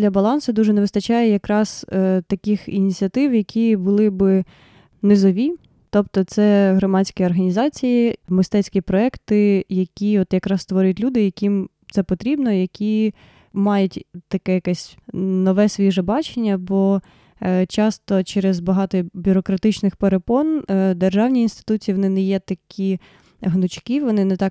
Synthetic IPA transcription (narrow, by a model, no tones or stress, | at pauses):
dlʲɐbɐlˠɑnsʊd̪uʒɛneʋɪst̪ɐt͡ʃɑjɛjɐkɾɑst̪ɐkʲɪxḭnʲit͡sʲiɐt̪ɪwjɐkʲibʊlˠɪbɪ | nɪzɔʋʲi | t̪ɔpt̪ɔt̪sɛɦɾɔmɑt͡sʲsʲkʲiɔrɦɐnʲizɑt͡sʲijimɪst̪ɛt͡sʲkʲipɾɔɛkt̪ɪjɐkʲiɔt̪jɐkɾɑst̪ʋɔɾʲjtʲlʲud̪ɪjɐkʲim | t̪sɛpɔt̪ɾʲibnɔjɐkʲʰi | mɑjʊtʲt̪ɐkɛjɐkɛsʲnɔʋɛsʲʋʲiʒɛbɑt͡ʃenʲːɐbɔ | t͡ʃɑst̪ɔt͡ʃɛɾezbɐɦɑt̪ɔbʲʊɾɔkɾɐt̪ɪt͡ʃnɪxpeɾepɔnd̪erʒɑwnʲiinst̪ɪ̥t̪ut͡sʲiʋɔnɪnɛjɛt̪ɐkʲʰi | ɦnʊt͡ʃkiʋɔnɪnɛt̪ɑk